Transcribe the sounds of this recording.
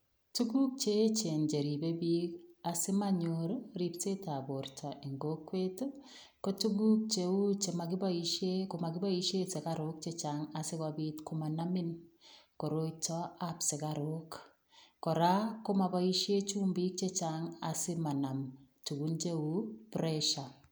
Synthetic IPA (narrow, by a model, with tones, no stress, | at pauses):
tu˦ɡu˦k̚t͡ʃe˦t͡ʃe˨nd͡ʒe˨ɾi˨be˦bi˦kasɪ˦ma˦ɲoɾɾi˦pse˦ta˨bo˨ɾtʰɔ˨ʔi˨ŋɡo˦kwe˦to˦ | ko˦tu˦ɡu˦k̚t͡ʃeu˦t͡ʃe˨ma˨ɡɪ˦ba˦iʃe˦ko˨ma˨kɪ˦ba˦i˦ʃe˦se˨kaɾok̚t͡ʃet͡ʃaŋa˨sɪ˦kabitkomanamɪ˦nko˨ɾo˦t͡ʃɔapsɪ˨kaɾok | kɔ˨ɾa˦ko˦ma˨ba˦i˦ʃje˦t͡ʃuː˦mbi˦k̚t͡ʃet͡ʃaŋa̰sɪ˦ma˨na˨mtu˨ɡunt͡ʃe˦u˦pɾɛʃa˨